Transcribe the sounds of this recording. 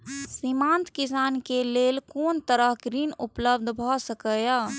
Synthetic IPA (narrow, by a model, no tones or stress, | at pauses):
simant̪kisaːnkelelkoːnt̪əɾəɦɡɾinupləbd̪ʱbʱɔsəkəja